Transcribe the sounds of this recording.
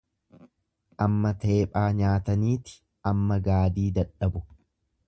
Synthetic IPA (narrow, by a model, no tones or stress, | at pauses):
ʔɐmːɐt̪e̞ːpʼaːɲaːt̪ɐniːt̪ɪ̥ | ʔɐmːɐɡaːd̪iːd̪ɐᶑɐbʊ